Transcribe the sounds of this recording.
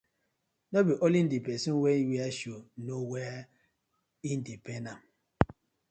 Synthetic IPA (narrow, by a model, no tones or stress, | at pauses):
nobiʔolin̩dipɛsinwɛiwiaʃonowɛa | in̩dipenam